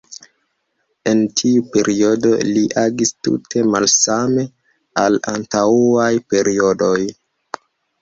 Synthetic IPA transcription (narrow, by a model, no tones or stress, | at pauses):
e̞ntʰiupe̞ɾʔio̞do̞̰liʔaɡistṵtʰe̞malsame̞ | ala̰ntauajpe̞ɾio̞doj